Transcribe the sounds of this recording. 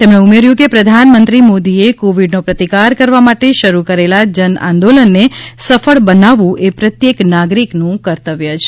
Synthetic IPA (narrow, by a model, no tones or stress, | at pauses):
t̪emɳeumeɾjũkepɾəd̪ʱanmə̃nt̪ɾimod̪iekoʋiɖnopɾət̪ikaɾkəɾʋamaʈeʃəɾukəɾelad͡ʒənã̰nd̪olənːesəfəɭbənaʋũʔepɾət̪jeknaɡɾiknũkəɾt̪əʋjəd͡ʒ